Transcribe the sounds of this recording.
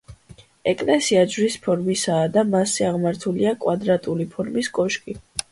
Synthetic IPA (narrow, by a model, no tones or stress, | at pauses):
ɛkʼlɛsiad͡ʒvɾispʰɔɾmisaːd̪amasɛaʁmaɾt̪ʰuliakʼwad̪ɾat̪ʼulipʰɔɾmiskʼɔʃkʼi